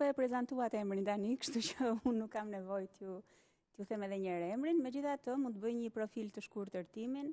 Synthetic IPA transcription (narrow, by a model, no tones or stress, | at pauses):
ɛpɾɛzant̪uat̪ɛɛmɾint̪anikə̥ʃt̪ut͡ɕəunːukːamnɛvɔjt̪ju | t̪juθɛmɛðɛɲəɾɛmɾinmɛd͡ʑiθat̪əmunəbəjɲəpɾɔfilt̪əʃkuɾt̪əɾt̪imin